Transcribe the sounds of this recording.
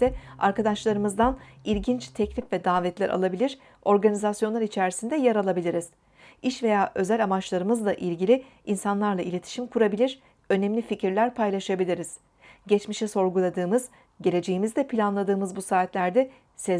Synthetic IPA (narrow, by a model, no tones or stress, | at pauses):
ɛa̰ɾkad̪aʃlˠaɾɯmɯzd̪anilʲɟint͡ʃt̪ʰɛclʲifvɛd̪aːvɛt̪lʲæɾʔa̰lˠabilʲiɾ̥ | o̞ɾɡanʲizasjo̞nlˠaɾit͡ʃʰæɾisind̪ɛjɛɾalˠabilʲiɾiz̥ | iʃve̞jaːʔø̞zælʲamat͡ʃlˠaɾɯmɯzd̪aʔilʲɟilʲi | insanlˠaɾlˠailʲe̞t̪ʰi̥ʃimkʰuɾabilʲiɾ̥ | ø̞nɛmlʲificʰiɾlʲæɾpʰajlˠaʃabilʲiɾiz̥ | ɟɛt͡ʃmiʃɛso̞ɾɡulˠad̪ɯːmɯz | ɟe̞lʲe̞d͡ʒe̞jimizd̪ɛpʰilʲanlˠad̪ɯːmɯzbusaːt̪lʲæɾd̪ɛ | sɛ